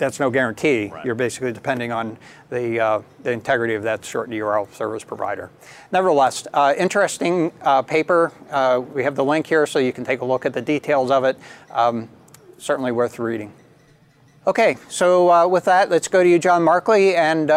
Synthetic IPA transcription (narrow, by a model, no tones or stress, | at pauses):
ðætsnoʊɡɛɹɨ̃ntʰijə˞beɪsɨ̥klidɨpʰɛ̃ndɪ̃ŋə̃n | ðiðiɨ̃ntʰɛɡɹɨɾiʌvðɨtsɔ̰ɹʔjə˞ɛlˠfsɜ̰˞vəspʰɹ̥əva̰ɪɾə̰˞ | nɛvə˞ðəlɛstɪ̃nt͡ʃɹ̥ɨstɪ̃ŋpʰeɪpə˞wiɨvðəlɪ̃ŋkhiɹsoʊjɨkn̩tʰeɪkəlʊkɨt̪̚ðɨditʰeɪlˠzʌvɨt̚ | sɜ˞ʔn̩liwɜ˞θɹiɾɪ̃ŋ | oʊkʰeɪsoʊwɪðætlɨtsɡ̥oʊɾɨjɨd͡ʒɑ̃nmɑɹkliɨ̃n